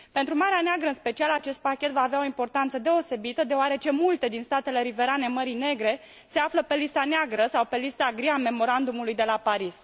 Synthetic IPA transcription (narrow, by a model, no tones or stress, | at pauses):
pe̞nt̪ɾumaɾeaneaɡɾəɨnspe̞t͡ʃialat͡ʃe̞st̪̚pakʲe̞t̪vaːveao̞impo̞rt̪ant̪səd̪e̞o̞se̞bit̪əd̪e̞oaɾe̞t͡ʃe̞mult̪e̞d̪inst̪at̪e̞le̞ɾive̞ɾane̞məɾine̞ɡɾe̞ | se̞afləpe̞list̪aneaɡɾəsawpe̞list̪aɡɾiame̞mo̞ɾand̪umulujd̪e̞lapaɾis